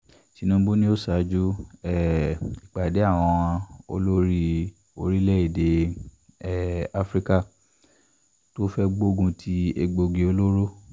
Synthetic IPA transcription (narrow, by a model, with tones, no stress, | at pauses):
ti˨˧˦nũ˦ɡ͡bo˦nĩ˦o˦sa˨˦d͡ʒu˦ɛ˦˨i˨k͡pa˨de˨˦a˦˨w̃ɔ̃˧ã˧o̰˧˦lo˦ɾi˦ | o̰˧ɾi˦lɛ˦i˦˨de˨ | ɛ˨a˦fɾi˦ka˦˨ | to˦fɛ˦ɡ͡bo˦ɡũ˧tʰi˦ḛ˧ɡ͡bo˧ɡe˧o˧lo˦ɾo˦